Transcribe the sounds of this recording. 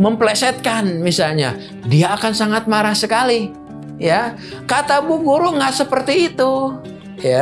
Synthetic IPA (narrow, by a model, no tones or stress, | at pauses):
məmplɛsɛt̪̚kanmisalɲa̰ | diaːkansaŋat̪̚maɾahsəkali | ja | kat̪abuɡoɾoŋɡasəpərt̪iːt̪u | ja